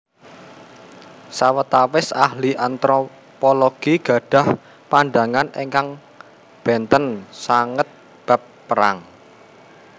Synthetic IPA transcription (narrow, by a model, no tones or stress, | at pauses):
sawət̪awɪsahliʔant̪ɾɔ | pɔloɡ̥iɡ̥ä̤ɖ̥ä̤h | panɖä̤ŋaneŋkaŋ | b̥ɛnt̪ənsaŋət̪̚ | b̥a̤p̚ːəɾa̰ŋ